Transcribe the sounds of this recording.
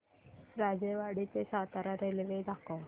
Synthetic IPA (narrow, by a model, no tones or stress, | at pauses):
ɾad͡ʑeʋaɽit̪esat̪aɾaɾelʋed̪ako